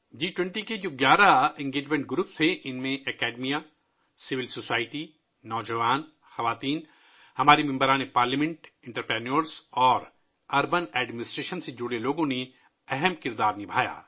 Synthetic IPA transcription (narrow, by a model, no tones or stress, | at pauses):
d͡ʒiːʈwɛ̃ɳʈiked͡ʒoːɡjaːɾaɪ̃ŋɡeːd͡ʒmẽɳʈ̚ɡɾuːpst̪ʰeʔɪnmẽʔɛkɛːɖmija | sɪʋɪlsoːsaːɪʈi | nɔːd͡ʒəʋaːn | xɐʋaːt̪iːn | hɐmaːɾimɪ̃mbəɾãːnepaːɾlimɛ̃ɳʈɪ̃ɳʈəɾpɾɛːnoɾsɔːɾ | ɐɾbənɛːɖmɪnɪsʈɾeːʃənsed͡ʒʊɽeloːɡõne | ɛɦɛmkɪɾd̪aːɾnɪbʱaːja̰ː